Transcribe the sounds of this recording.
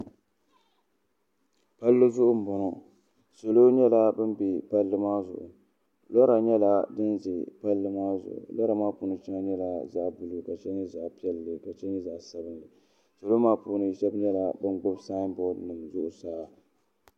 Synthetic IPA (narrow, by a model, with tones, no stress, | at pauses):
pa˦lːɨ˦zʊ˦ʔʊ˦m̩˨bɔ˨nɔ˨ | so˨lo˦ɲɛ˦la˦bɨ˦m˦bi˨pa˦lːɨ˦maː˦zʊ̰˨ʔʊ̰˨ | lɔ˦ɾa˨ɲɛ˦la˦dɨ˦nzɪ˨pa˦lːɨ˦maː˦zʊ̰˨ʔʊ̰˨lɔ˦ɾa˨maː˦puː˨˦nɨ˨t͡ʃi˦ŋa˦ɲɛ˦la˦za˦ʔbɨ˨lɨ˦ka˨t͡ʃɛ˦ɲɨ˦za˨ʔpi˦ɛ˦lːɨ˨ka˨t͡ʃɛ˦ɲɨ˦za˨ʔsa˦bɨ˦nlɨ˨ | so˨lo˦maː˦puː˦nɨ˨ʃɛ˦bɲɛ˦la˨bɨ˦nɡʊ˦bsaː˦bɔ˨dnɨ˨mzʊ˦ʔʊ˨saː˦